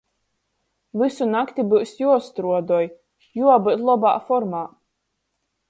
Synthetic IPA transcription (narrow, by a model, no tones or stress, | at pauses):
vɨsunakt̪ʲibɨsjuɔst̪ɾuɔd̪ɔj | juɔbɨt̪lˠɔba̰ːfɔɾmaː